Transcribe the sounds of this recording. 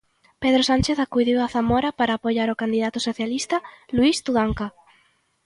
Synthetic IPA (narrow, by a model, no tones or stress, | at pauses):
peðɾosanʲt͡ʃeθakujðiwaθamɔɾapaɾaːpojaɾokand̪iðat̪ʊsoθjalist̪ɐluist̪uðaŋka